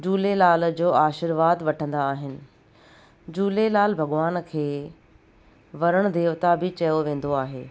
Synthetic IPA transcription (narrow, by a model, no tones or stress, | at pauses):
d͡ʑuːlelaːld͡ʑoːaːʃɪɾʋaːd̪ʋɐʈʰə̃nd̪aːɦɪnɪ̆ | d͡ʑuːlelaːlbʱɐɠʋaːnkʰeː | ʋɐɾəɽ̃d̪eːʋt̪abʱɪt͡ɕɐjoʋẽːn̆d̪oaːɦeː